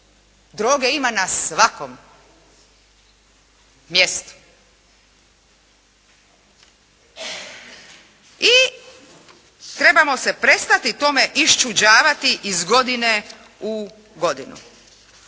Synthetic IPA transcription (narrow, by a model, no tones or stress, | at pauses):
d̪ɾoːɡeimanasʋakom | jest̪u̥ | i | t̪ɾe̞bamo̞se̞pɾe̞st̪at̪it̪o̞me̞ʔiʃt͡ʃud͡ʑaːʋat̪iʔizɡo̞d̪ine | u | ɡo̞d̪inṵ